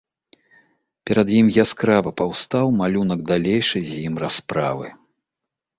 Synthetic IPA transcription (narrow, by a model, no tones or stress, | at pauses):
pʲɛɾɐd̪jimjaskɾavɐpawst̪awmalʲunɐɡd̪alʲejʂɨzʲjimraspɾavɨ̰